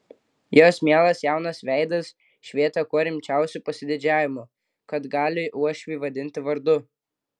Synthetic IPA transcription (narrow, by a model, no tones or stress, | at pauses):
joːsmʲiɛlˠɐsjæˑʊnɐsʋʲæˑɪd̪ɐs | ʃʲʋʲiɛt̪ɐkuɔɾʲɪmʲt͡ʃʲæˑʊsʲupɐsʲɪd̪ʲɪd͡ʒʲæːʋʲɪmʊ | kɐt̪ɡɑːlʲɪʔuɔʃʲʋʲiːʋɐd̪ʲɪnʲt̪ʲɪʋɐɾd̪ʊ